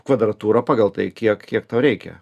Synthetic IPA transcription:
kʋɐd̪ɾɐt̪uːɾɐpɑːɡɐlˠt̪ɐɪkʲiɛkkʲiɛkt̪ɐʊɾʲɛɪkʲɛ̰

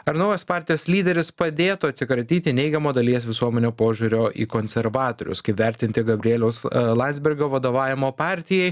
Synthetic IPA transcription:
ɐɾnɐʊjoːspɑːɾʲt̪ʲɪjoːslʲiːd̪ʲɛɾʲɪspɐd̪ʲeːt̪ʊɐt̪ʲsʲɪkɾɐt̪ʲiːt̪ʲɪnʲɛɪɡʲɛmoːd̪ɐlʲiɛs̬ʋʲɪsuɔmʲɛnʲoːpoːʒʲuːɾʲoːʔḭːkoːnʲsʲɛɾʋɑːt̪oːɾʲʊ̰skɐɪpʋʲɛɾʲt̪ʲɪnʲt̪ʲɪɡɐbʲɾʲɪeːlʲɛʊslˠɑnʲdzʲbʲɪɾɡoːʋɐd̪oːʋɑːʋʲɪmoːpɑːɾʲt̪ʲɪjɛɪ

